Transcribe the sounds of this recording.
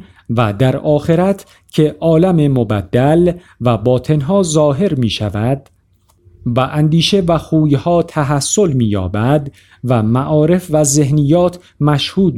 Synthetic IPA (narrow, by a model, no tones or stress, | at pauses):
væd̪æɾɒːxe̞ɾæt̪ʰ | cʰe̞ʔɒːlæmemobæd̪ːæl | væbɒːt̪ʰe̞nɦɒːzɒːɦe̞ɾmiːʃæ̰væd̪ | væʔænd̪iːʃe̞væxuːjhɒːt̪ʰæɦæsːo̞lmiːjɒ̰ːbæd̪ | væmæʔɒːɾe̞fvæze̞hnijːɒːt̪ʰ | mæʃhuːd̪̚